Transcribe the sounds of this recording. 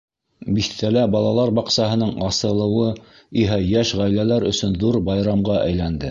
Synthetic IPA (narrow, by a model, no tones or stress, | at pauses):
biθt̪ælæbɑlˠɑlˠɑɾbɑqsɑɦɤ̆nɤɴɑsɤ̆lˠɤ̆wɤ | iɦæjæʃʁæjlælæɾɵ̆sɵnðuɾbɑjɾɑmʁɑʔæ̰jlænd̪ɘ